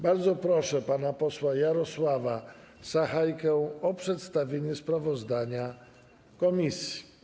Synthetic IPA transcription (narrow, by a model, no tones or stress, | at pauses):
baɾd̪zɔpɾɔʂɛpanapɔswajaɾɔswava | z̥axajkɛɔpʂɛt̪st̪avʲeɲɛspɾavɔzd̪aɲa | kɔmʲisʲji